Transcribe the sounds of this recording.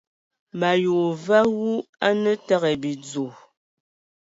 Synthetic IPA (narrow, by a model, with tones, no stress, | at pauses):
ma˨jo˨va˦ɣu˦a˦nə˦ta˦ɣɛ˨bi˨d͡zo˨